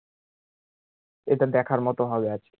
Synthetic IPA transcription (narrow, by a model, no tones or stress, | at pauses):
eʈad̪ɛkʰaɾmɔt̪oɦɔbeat͡ɕʰe̥